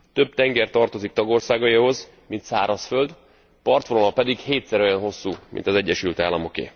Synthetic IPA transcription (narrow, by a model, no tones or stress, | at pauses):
t̪ø̞b̚t̪ɛŋɡɛrt̪ɒrt̪o̞zik̚t̪ɒɡo̞rsaːɡɒjiho̞z | mint̪saːɾɒsfø̞ld̪ | pɒrt̪folomɒpɛd̪iɡheːt̪sɛɾo̞jɒnɦo̞sːuːmḭnt̪ɒzɛɟːɛʃylt̪aːlːɒmo̞kḛː